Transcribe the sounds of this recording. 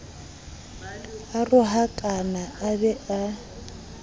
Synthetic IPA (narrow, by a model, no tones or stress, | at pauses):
arʊɦakʼanaabɛʔa